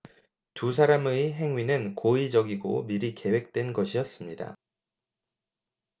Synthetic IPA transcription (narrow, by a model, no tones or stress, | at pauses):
tusʰaɾameɦe̞ŋɥinɯnkoid͡ʑʌɡiɡo̰miɾike̞we̞k̚t͈we̞nɡʌɕʰijʌs͈ɯmɲida̰